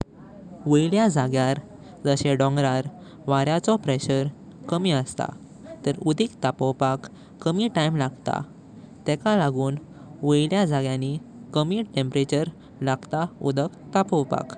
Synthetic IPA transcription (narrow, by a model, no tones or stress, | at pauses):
ʋəjljad͡zaɡjaɾ | d͡zəɕeɖɔ̃ŋɡɾaɾ | ʋaɾjat͡sɔpɾɛɕəɾ | kəmiːəst̪a̰ | t̪əɾud̪ʱiːkt̪apəwpakː | əmiːʈajmlaɡt̪a̰ | t̪ɛkalaɡuːn | ʋəjljad͡zaɡjãnikəmiːʈẽmpəɾet͡ɕəɾ | laɡt̪aṵd̪əkt̪apəwpa̰k